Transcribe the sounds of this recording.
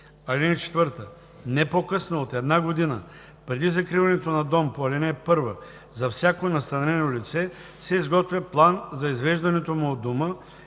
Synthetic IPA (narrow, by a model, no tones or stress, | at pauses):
ɐlʲinɛt͡ʃɛ̥t̪vəɾt̪ə | nɛpokɤsnoot̪ɛd̪naɡod̪inə̰ | pɾɛd̪izɐkɾivɐnɛt̪onɐd̪ɔmpoɐlɛnɛpɤɾvə | zɐfsʲjakonɐst̪ɐnɾɛnolit̪sɛ | sɛizɡɔt̪vʲjɐplˠanzɐizvɛʒd̪ɐnɛt̪omʊod̪omə